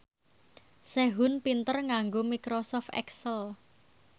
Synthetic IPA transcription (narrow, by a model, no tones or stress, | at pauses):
seɦʊnpint̪ərŋaŋɡomikɾosɔft̪ɛ̰ksəl